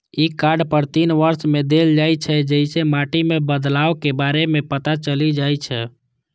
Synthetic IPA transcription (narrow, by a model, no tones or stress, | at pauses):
ikaɖpəɾt̪inʋəɾsmed̪eld͡ʒajt͡ʃʰɛd͡ʒəɪsemaʈimẽbəd̪laokebaɾemẽpət̪at͡ʃəlid͡ʒajt͡ʃʰɛ